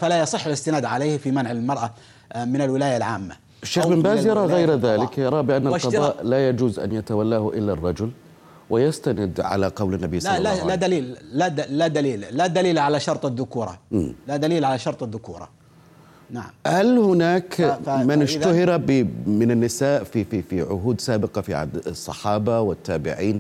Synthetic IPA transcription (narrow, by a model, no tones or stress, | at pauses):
falajɑsˤɨħːalɪst̪ɪnaːd̪ʕaleːhfimanʕɪlmɑɾˤʔa | mɪnalwɪlaːjalʕaːmːa̰ | aʃːeːxbɪmbaːzjɑɾˤɑːɣajɾðaːlɪkjɑɾˤɑːbɪʔanːalwʃɑðˤɑːʔlajad͡ʒuːzʔa̰njat̪awalːaːhʔɪlːarˤːɑd͡ʒʊl | wɪjast̪anɪd̪ʕa̰laqɑwlanːabijsˤlalad̪aliːlːad̪lad̪aliːlːad̪aliːlʕalaʃɑɾˤt̪ˤaðːʊkuːɾˤɑ̰mlad̪aliːlʕalaʃɑɾˤt̪ˤaðːʊkṵːɾˤɑ̰ | naʕa̰mhalhʊnaːkmanɪʃt̪ahɪɾabɪmɪnanːɪsaːʔfififiʕʊ̰ɦuːd̪saːbɪqɑfiʕa̰ːd̪sˤːɑ̰ħɑːbɑwɪt̪ːaːbɪ̰ʕiːn